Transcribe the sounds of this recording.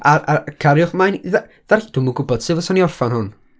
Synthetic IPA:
aakʰaɾjʊχmajnða | ðard̥ʊmuɡʊbɔd̥sɨvəsɔniɔrfanhʊn

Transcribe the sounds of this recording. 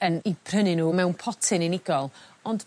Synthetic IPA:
ənib̥rənɪnuːmɛwnpʰɔtʰɪnɪnɪɡɔlˠɔnd̥

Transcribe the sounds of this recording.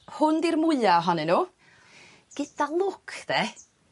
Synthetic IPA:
hʊndirmʊɨaɦɔnɪnuː | ɡ̥ɪdalˠʊkʰðe

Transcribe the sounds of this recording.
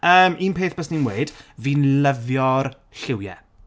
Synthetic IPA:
əːmʔiːnpʰeːθb̥əsninweɨd̥viːnləvjɔr | ɬɪwjɛ̰

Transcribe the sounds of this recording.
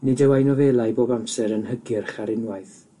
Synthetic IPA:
nɨdɛwajnɔveːlˠajboːbamsɛɾənhəɡɪrχaɾɪnwajθ

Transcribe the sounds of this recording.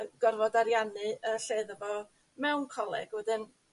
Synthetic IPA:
əɡ̥ɔrvɔdaɾjanɨəɬeːðəvɔ | mɛwnkʰɔlˠɛ̰ɡ̥wɛdɨn

